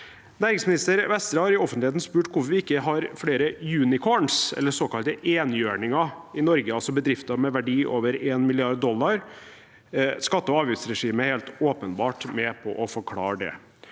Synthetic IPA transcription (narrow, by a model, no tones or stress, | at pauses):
næːɾɪŋsmɪnɪst̪əɾʋɛst̪ɾəhɑɾɪɔfənt̪lɪeːt̪n̩spʉːʈkʰʊɾfɾʋɪɪkːəɦɑɾfɽeːɾəjʉːnɪkʰoːɳsɛ̰lːəsoːkɑlt̪əʔeːnjøːɳɪŋɑɪnɔɾɡəɑlsɔbəd̪ɾɪft̪ɑmɛʋæɖiːʔoːʋəɾeːnmɪlɪɑɾd̪d̪ɔlːɑɾ | skɑt̪ːəɔɑːʋjʉt̪sɾɛʂiːməæɾheːlt̪oːpənbɑːʈmɛpʰɔ̰ʔɔfɔɾkʰlɑ̰ːɖɛ̰